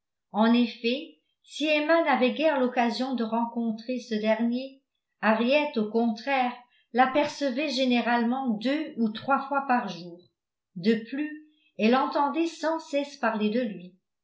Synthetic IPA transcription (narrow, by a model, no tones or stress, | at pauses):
ɑ̃nefɛ | siemanavɛɡɛʁlɔkazjɔ̃d̪əʁɑ̃kɔ̃t̪χesəd̪ɛʁnje | aʁjɛt̪okɔ̃t̪χɛʁ | lapɛʁsəvɛʒeneʁalmɑ̃d̪øut̪χwafwapaʁʒuːʁ | d̪əply | ɛlɑ̃t̪ɑ̃d̪ɛsɑ̃sɛspaʁled̪əlɥi